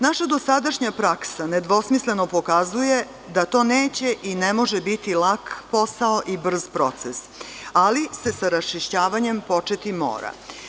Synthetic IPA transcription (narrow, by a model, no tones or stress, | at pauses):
naʃad̪o̞sad̪aʃɲapɾaksaned̪ʋo̞smisle̞no̞po̞kazuje̞ | d̪at̪o̞ːneːt͡ɕe̞ʔinemo̞ʒebit̪ilakpo̞saoʔibr̩zpɾo̞t̪ses | alise̞saɾast͡ʃiʃt͡ɕaːʋaɲempo̞t͡ʃet̪imo̰ːɾa̰